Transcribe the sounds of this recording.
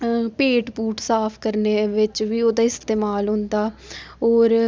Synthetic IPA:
peːʈpuːʈsaːpʰkəɾneːʋɪt͡ʃʋiːoːd̪aːɪst̪eːmaːlɦʊ̃nd̪aːɔːɾ

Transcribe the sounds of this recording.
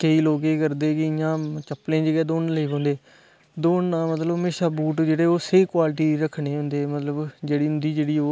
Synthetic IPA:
kəiːloːkeːkəɾd̪eːkɪɪjãːt͡ʃəplẽːd͡ʒeːɡɛːd̪oːnləiːpõːnd̪eː | d̪oːnaːmət̪ləbəmeːʃaːbuːʈd͡ʒeːɽeːoːseːkwaːlʈ̬iːɾəkʰɳeːɦʊ̃nd̪eːmət̪ləbd͡ʒeːɽiːɦʊ̃nd̪iːd͡ʒeːɽiːoː

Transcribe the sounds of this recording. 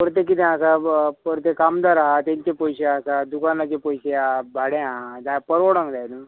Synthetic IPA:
pəɾt̪ekit̪̬ɛ̃əsapəɾt̪̬ekamd̪aɾɦat̪ẽɲt͡ɕepəjɕeasad̪ukanat͡ɕepəjseabʱaɽɛ̃ɦad͡z̪ajpəɾoɽãŋɡd͡zajlu

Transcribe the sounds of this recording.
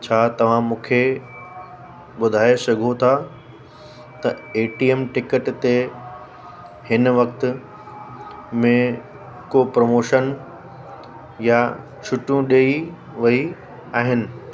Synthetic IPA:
t͡ɕʰaːt̪ɐʋ̤ãmũːkʰe | ɓʊd̪ʱaːesɐɡʱot̪ʰa | t̪ɐeːʈiːemʈɪkəʈt̪e | hɪnʋɐk̚t̪ʊ̆ | mẽ | kopɾɐmoːʃən | ja | t͡ɕʰʊʈjũɗeːi | ʋɐi | aːɦɪnɪ̆

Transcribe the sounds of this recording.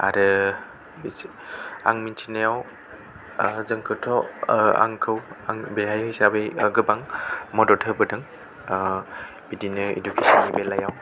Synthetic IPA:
a̰ɾɯ | a̰ŋminsʰinajaw | zɯŋkʰɯtʰɔa̰ŋkʰɯwaŋbeɦajhisabeɡɯbaŋmɔdɔtʰɯbɯdɯŋ | bidinɯḛdukʰesɔnibelajaw

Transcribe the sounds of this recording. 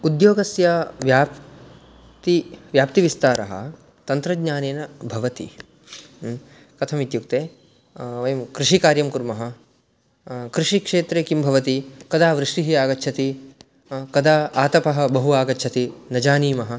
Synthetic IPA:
ud̪joːɡɐsjɐʋjaːp | t̪iʋjaːp̚t̪iʋist̪aːɾɐ̰ɦɐ̰ | t̪ɐnt̪ɾɐɡɲaːneːnɐbʱɐʋɐt̪ḭ | kɐt̪ʰɐmit̪juk̚t̪eː | ʋɐjɐmkɾɪʂikaːɾjɐmkuɾmɐɦɐ̆ | kɾiʂikʂeːt̪ɾeːkimbʱɐʋɐt̪ikɐd̪ʱaːʋɾɪʂʈiɦiaːɡɐt͡ʃʰɐt̪i | kɐd̪ʱaːaːt̪ɐpɐɦɐ̆bɐɦuaːɡɐtːt͡ʃʰɐt̪inɐd͡ʒaːniːmɐɦɐ

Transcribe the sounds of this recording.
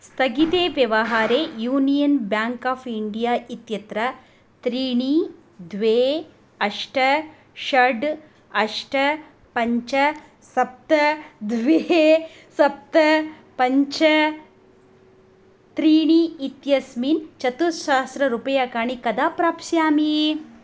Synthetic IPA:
st̪ʰɐɡit̪eːʋjɐʋɐɦaːɾeːjuːnijɐnbjaːŋkaːpʰiɳɖijaːʔit̪jɐt̪ɾɐ | t̪ɾiːɳi | d̪ʱʋeː | ɐʂʈɐ | ʃɐɖ | ɐʂʈɐ | pɐɲt͡ʃɐ | sɐp̚t̪ɐd̪ʱʋe | sɐp̚t̪ɐ | pɐɲt͡ʃɐ | t̪ɾiːɳiit̪jɐsmiːnt͡ʃɐt̪uʃaːst̪ɾɐɾupɐjaːkaːɳikɐd̪aːpɾaːpsjaːmi

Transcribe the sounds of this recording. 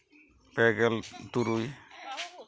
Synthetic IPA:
pɛɡɛltuɾuj

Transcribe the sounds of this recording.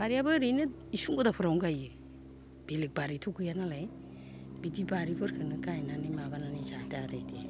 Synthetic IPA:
b̥aɾiabɯɾɯjnɯ | isuŋɡodapʰɯɾawŋɡajɯ | b̥ilɯk̚baɾitʰuɡɯjanalaj | bidibaɾipʰɯɾkʰɯnɯkajnanimabananizateaɾɯjdia̰j

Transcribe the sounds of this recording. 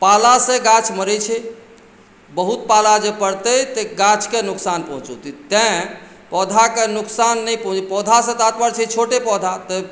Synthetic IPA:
palasẽɡãt͡ʃʰməɾət͡ʃʰɛ | bəɦut̪̚palad͡ʒepəɽt̪əjt̪eɡãt͡ʃʰkenuksanpəɦũt͡ʃut̪it̪ɛ̃ | pɔd̪ʱakenuksanːɛjpəɦũt͡ʃpɔd̪ʱasẽt̪at̪bəɾt͡ʃʰɛt͡ʃʰoʈepɔd̪ʱat̪ə

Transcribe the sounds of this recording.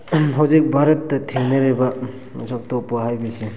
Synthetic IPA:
ɦawzik̚bʱaɾɐtːɐtʰːeŋnɐɾebɐ | mɐ̰sak̚topːaɦajbesi

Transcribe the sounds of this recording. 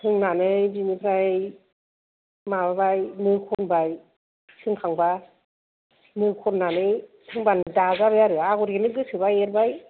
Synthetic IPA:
tʰɯŋnanɯjbinipʰɾaj | mababajnɯkʰɔnbaj | tʰɯŋkʰaŋba | nɯkʰɔnnːanɯjtʰɯŋbandazabajaɾɯaɡɔɾɡenɯɡɯsɯbajeɾbaj

